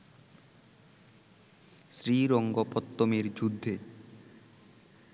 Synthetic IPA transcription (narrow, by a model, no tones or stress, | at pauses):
ʃɾiɾɔŋɡopɔt̪ːomeɾd͡ʑud̪ʱːe